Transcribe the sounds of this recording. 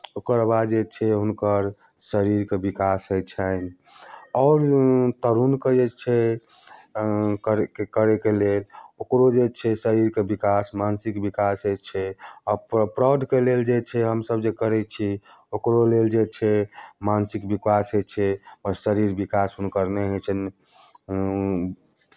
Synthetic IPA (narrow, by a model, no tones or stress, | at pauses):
okəɾbad̪d͡ʒet͡ʃʰɛɦunkəɾ | səɾiɾkebikasɦojt͡ʃʰən | ɔːɾt̪əɾunked͡ʒet͡ʃʰɛ | kəɾkekəɾekelelokɾod͡ʒet͡ʃʰɛsəɾiɾkebikasmansikbikasɦot͡ʃʰɛɔpɾad̪ʱkeleld͡ʒet͡ʃʰɛɦəmsəbd͡ʒekəɾɛt͡ʃʰi | okɾoleld͡ʒet͡ʃʰɛmansikbikasɦot͡ʃʰɛpəɾsəɾiɾbikasunkəɾneɦot͡ʃʰən